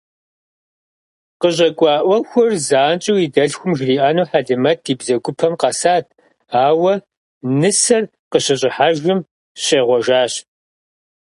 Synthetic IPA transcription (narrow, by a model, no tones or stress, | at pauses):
qəʑʼɐkʷʼɑːʔʷɔxʷʊrzaːnt͡ʃʼiwidɐɬxʷʊmʒriːʔaːnuːħaɮɨmɐt̚ʰdiːbzɐɡʷʊpʰɐmqɑsaːt̚ʰ | aːwɐ | nɨsɐr | qəɕɐɕʼɪħaʒʊm | ɕeːʁʷɔʒaːɕ